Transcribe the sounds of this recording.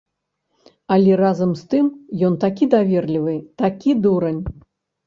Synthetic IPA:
ɐlʲɛrazɐmst̪ɨmjɔnt̪akʲid̪avʲɛrlʲivɨt̪akʲid̪uɾɐnʲ

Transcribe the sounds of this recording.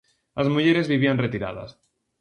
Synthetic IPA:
lʔazmuʝeɾe̞zβiβianret̪iɾa̰ða̰s

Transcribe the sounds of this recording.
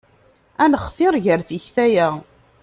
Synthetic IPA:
ænχfɪɾˤʝəɾθiçθæjæ

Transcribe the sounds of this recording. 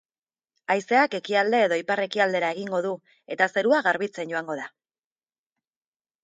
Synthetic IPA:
ajse̞ake̞kiald̪e̞ːðo̞ipare̞kiald̪e̞ɾae̞ɣiŋɡo̞ð̞u | e̞t̪ase̞ɾuaɣaɾβit͡se̞nɟo̞aŋɡo̞ða

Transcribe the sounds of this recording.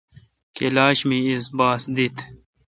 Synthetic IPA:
kelaːɕmĩisbaːsd̪it̪

